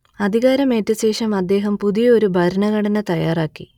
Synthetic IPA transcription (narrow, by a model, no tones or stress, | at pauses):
ɐd̪ʱiɣaːɾɐme̞ːtːɐɕe̞ːʂɐmɐd̪ːe̞ːɦɐmpuðijɐo̞ɾubʱɐɾɐnɐɣɐɽɐnɐt̪ɐjaːraːkːḭ